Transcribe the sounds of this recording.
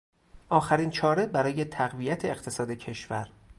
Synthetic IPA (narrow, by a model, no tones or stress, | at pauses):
ʔɒːxæɾiːnt͡ʃʰɒːɾe̞bæɾɒːje̞t̪ʰæɣvijæt̪ʰeːqt̪ʰe̞sɒːd̪e̞cʰe̞ʃvæ̰ɾ